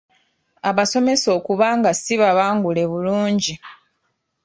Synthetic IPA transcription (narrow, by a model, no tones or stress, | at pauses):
aβaso̞me̞so̞ːkuβaːŋɡasiβaβaːŋɡule̞βuluːɲɟi